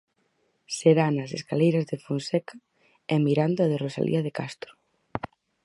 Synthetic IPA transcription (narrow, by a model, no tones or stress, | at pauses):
seɾanɐseskalejɾɐzðefonsɛkɐ | ɛmiɾand̪oaðerosa̰lʔḭɐðekast̪ɾʊ̥